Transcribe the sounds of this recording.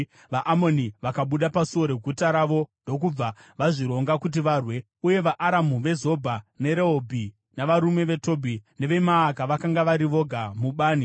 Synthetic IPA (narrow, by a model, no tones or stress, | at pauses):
ʋaʔamoniʋakaɓuɗapasuo̞ɾe̞ɡʱutaɾaʋo̞ndo̞k̬ub͡vaʋaʐiɾo̞ŋɡakut̬iʋaːrwe̞ | uje̞ʋaʔaɾamuʋe̞zo̞bʱane̞ɾeɦobʱi | naʋaɾume̞ʋe̞to̞bʱine̞ʋe̞maːkaʋakaŋɡaʋaɾiʋo̞ɡʱamuɓaːni